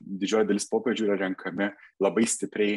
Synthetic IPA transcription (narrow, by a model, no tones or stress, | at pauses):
d̪ʲɪd͡ʒʲoːjɪd̪ɐlʲɪspoːpʲɾʲed͡ʒʲuiːɾɐɾʲɛŋkʰɐmʲɪlˠɐbɐɪsʲt̪ʲɪpʲɾʲɛɪ